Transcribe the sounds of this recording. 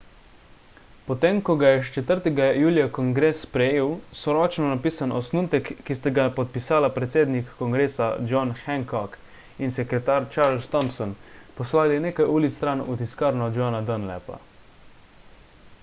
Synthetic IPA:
pɔt̪eːmkɔɡajɛʃt͡ʃɛt̪əɾt̪ɛɡajuːlijakɔŋɡɾeːsːpɾɛjeːwsɔɾɔːt͡ʃnɔnapiːsanɔsnuːt̪ɛkːist̪aɡapɔt̪̚pisaːlapɾɛt̪seːd̪nikːɔŋɡɾeːsa̰d͡ʒɔnxɛŋkɔk | insɛkɾɛt̪aːɾt͡ʃaːɾlst̪ɔmpsɔnpɔslaːlineːkajuːlit̪st̪ɾaːnut̪iskaːɾnɔd͡ʒɔːnad̪ənlɛ̰pa̰

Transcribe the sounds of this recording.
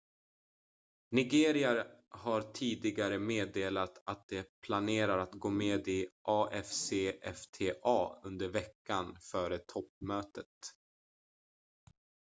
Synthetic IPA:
nɪɡeːɾɪaɾhaɾʈʰiːd̪ɪɡaɾəmeːd̪eːlat̪at̪̚d̪ɛpʰlaneːɾaɾat̪ɡoːmeːd̪ɪʔɑːʔɛfseːʔɛft̪ʰeːʔɑːɵnd̪əɾvɛkːanfœːɾət̪ʰɔpmøːt̪ət̪

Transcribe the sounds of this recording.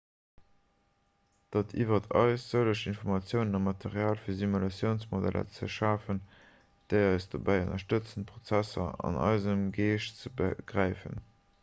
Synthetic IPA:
d̥ɑtʰḭvɐtʰɑ̰ɪsz̥əʊləʃinfoʁmɑt͡sjəʊnənɑmːɑtʰeʁjaːlfiːɐzimulɑt͡sjəʊnsmodæ̰lʔɐ̰t͡sə̰ʃaːfən | d̥eɪɑɪsd̥obæɪonɐʃtət͡sənpʁot͡sæsɐ̰ɑ̰nɑ̰ɪzəmɡeːʃt͡səbɡ̥ʁæɪfə̰n

